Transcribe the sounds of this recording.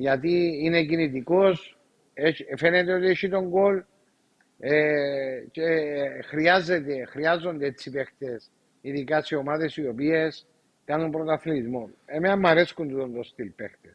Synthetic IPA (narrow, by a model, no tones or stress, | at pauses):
ʝɐt̪iinecinit̪̬iko̞s | efe̞net̪eot̪ieʃit̪o̞ŋɡo̞l | ecexɾiazet̪exɾiazːo̞nd̪eet͡sːipekt̪e̞s | iðikasio̞maðe̞siopie̞s | kanumpɾot̪aθlizmonememːɐɾeskunt̪ut̪ont̪ost̪ilpext̪es